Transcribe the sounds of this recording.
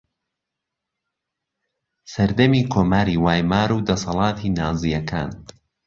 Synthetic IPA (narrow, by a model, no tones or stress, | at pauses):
sɐɾd̪ɐmiːkʰoːmaːɾiːwaːjmaːɾuːd̪ɐsɐlˠɑːt̪ʰiːnaːzijɐkʰa̰ːn